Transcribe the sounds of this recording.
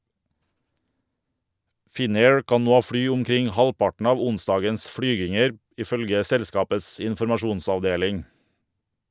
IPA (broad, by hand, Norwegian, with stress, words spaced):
ˈfɪˌneːɹ ˈkɑːn ˈnoː ˈfɽyː ʊmˈkɾɪŋ ˈhɑlˌpɑʈn̩ ˈɑːʋ ˈʊnˌsdɑːɡəns ˈfɽyːɡɪŋəɾ ˈiː ˈfœlɡə ˈsɛlˌskɑːpəs ɪnfɔɾmɑˈʃuːnsɑʋˌdeːlɪŋ